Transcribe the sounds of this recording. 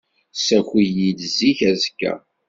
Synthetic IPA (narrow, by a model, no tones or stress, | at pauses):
sæxijid̪zːiçæzkːæ̰